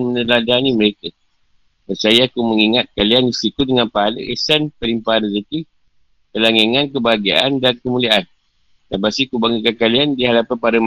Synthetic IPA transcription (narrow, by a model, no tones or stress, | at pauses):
mənəladanĩməɾekə | dansajaakumə̃ŋiŋat̪̚kaliandisikudəŋãnpaalə̰ʔesanpəlimpaanəsət̪i | t̪əlaŋeŋãnkəbaɡia̰andankəmuliaʔan | lapasikubaŋikankaliandiɦalapanpaɾəm